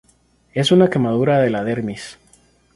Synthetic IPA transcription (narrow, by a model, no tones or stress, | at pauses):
e̞sunake̞maðuɾaðe̞laðe̞ɾmis